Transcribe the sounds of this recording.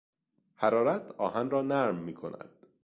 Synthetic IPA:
hæɾɒːɾæt̪ʰɒːhænɾɒːnæɾmːiːkʰo̞̰nʔæ̰d̪̥

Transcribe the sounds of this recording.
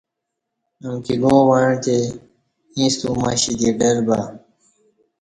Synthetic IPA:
əmkiɡõːwaːɳt̪ʰeː | ĩːst̪uːma̰ːɕid̪iːɖəɾbaː

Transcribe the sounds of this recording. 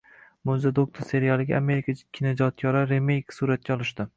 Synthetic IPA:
mʊzad̪ok̚t̪ʰoɾse̞ɾijalˠɪɡʲaame̞ɾɪkʰakʲʰːɪned͡ʒɒt̪̚kʲʰɒɾaɾe̞mejksuɾat̪̚kʲaɒlˠɪʃt̪ɪ

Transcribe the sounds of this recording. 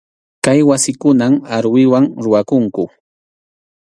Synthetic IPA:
kajwasɪkʊnamaɾwɪwaŋɾʊwakʊŋkʊ

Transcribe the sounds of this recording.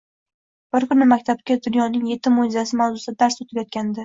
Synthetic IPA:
b̥ɪɾkʰʊnɪmakʲt̪ʰab̚kʲad̪ʊnjɒnɪŋje̞t̪ʰːɪmojzasɪmawzʊsd̪ad̪aɾsot̪ʰɪbjɒt̪̚kʲand̪ɪ

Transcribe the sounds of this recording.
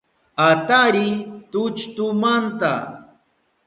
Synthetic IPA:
at̪aɾit̪ʊt͡ʃt̪ʊmant̪a̰

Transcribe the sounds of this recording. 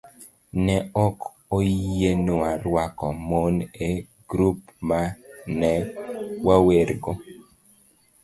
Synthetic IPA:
nɛɔk | ojenoarwakɔmone | ɡ̥ɾup̚manɛwaweɾɡo

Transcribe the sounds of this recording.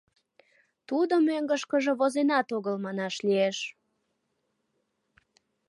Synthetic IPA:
t̪ud̪əmøŋɡəʃkəʒeβozenɑt̪oɣəlmɑnɑʃlieʃ

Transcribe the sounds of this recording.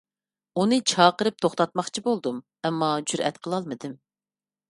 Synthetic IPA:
unɨt͡ʃʰɑːqəɾɨp̚t̪ʰoχt̪ɑt̪̚mɑχt͡ʃʰibolˠd̪um | ɛmːɑd͡ʒyɾɛ̰t̪qʰəlˠɑlˠmɨd̪ɪm

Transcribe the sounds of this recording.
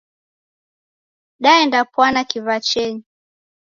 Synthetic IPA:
ɗaɛndapwanakivat͡ʃɛɲi

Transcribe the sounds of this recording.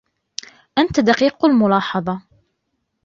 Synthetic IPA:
ʔant̪ad̪ɑqiːqalmʊlɑːħɑðˤɑ

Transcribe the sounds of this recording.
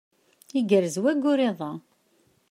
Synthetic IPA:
iɡəɾzwæɡʊɾeðˤɑ

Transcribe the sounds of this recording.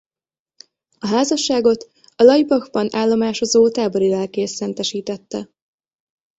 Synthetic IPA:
ɒɦaːzɒʃːaːɡo̞t̪ | ɒlɒjibɒxbɒnaːlːo̞maːʃo̞zoːt̪aːbo̞ɾilɛlkeːsɛnt̪ɛʃiːt̪ɛt̪ːɛ

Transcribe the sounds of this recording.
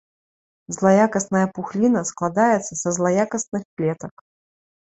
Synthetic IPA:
zlˠajakɐsnɐjɐpuxlʲinɐsklˠad̪ajɛt̪sːɐsɐzlˠajakɐsnɨxplʲɛt̪ɐk

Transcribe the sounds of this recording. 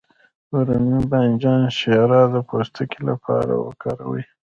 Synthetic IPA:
uɾuniband͡ʒɑnʃeɾɑd̪əpʰost̪ʰakilapʰɑ̰ɾa̰wə̰kɑɾawəj

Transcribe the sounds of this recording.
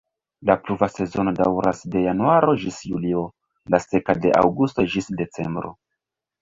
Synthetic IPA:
lapluvase̞zo̞no̞dawɾasde̞januaɾo̞d͡ʒisjulio̞ | lase̞kade̞ʔa̰wɡusto̞d͡ʒisde̞t͡se̞̰mbɾo̞̰

